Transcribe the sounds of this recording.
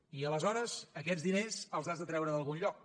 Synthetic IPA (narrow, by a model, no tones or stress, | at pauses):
iələzɔɾəzəkɛd͡zd̪inezəlˠzazðət̪ɾɛwɾəðəlˠɣunʎɔk̚